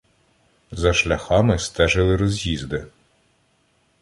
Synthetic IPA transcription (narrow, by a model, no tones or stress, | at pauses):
zɐʃlʲɐxɑmɪst̪ɛʒɪlˠɪɾɔzʲjizd̪ɪ